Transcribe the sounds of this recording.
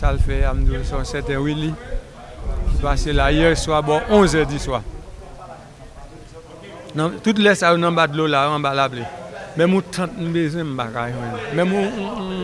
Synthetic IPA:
salfɛamduesɔ̃sɛtɛ̃wili | ipaselajɛswabɔʔɔ̃zɛdiswa | nãtut̬lɛsajonãbadlolaãbalablemɛ̃mũtʰãt̚m̩̃bezw̃ɛ̃m̩bakaĩwɛ̃nãmɛ̃mũ

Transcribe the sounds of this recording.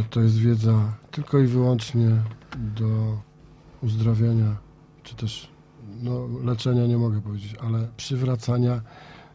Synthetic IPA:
t̪ɔjɛs̬t̪vʲjɛd̪zat̪ɘlkɔivɘwɔnt͡ʂɲɛd̪ɔ | uzd̪ɾɔvʲjaɲa | t͡ʂɘ̥t̪ɛʂ | nɔlɛt͡ʂɛɲaɲɛmɔɡɛpɔvʲjed͡ʑet͡ɕalɛpʂɘvɾat̪saɲa

